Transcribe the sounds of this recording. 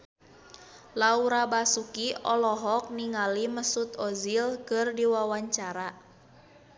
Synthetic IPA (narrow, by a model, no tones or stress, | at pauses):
lauɾabasukiɔlɔɦɔk̚niŋaliməsut̪ɔzilkɨrdiwawaɲt͡ʃaɾa